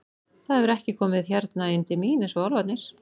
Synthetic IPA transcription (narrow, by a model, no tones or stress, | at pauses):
θaðɛvɪɾɛhcɪkʰɔːmɪðçjaɾt̪naɪnt̪ɪmiːnɛnsɔalvat̪nɪɾ̥